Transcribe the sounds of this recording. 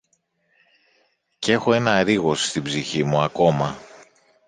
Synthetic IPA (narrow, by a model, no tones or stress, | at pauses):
ce̞xo̞e̞nɐɾiɣo̞st̪ibziçimuɐko̞mɐ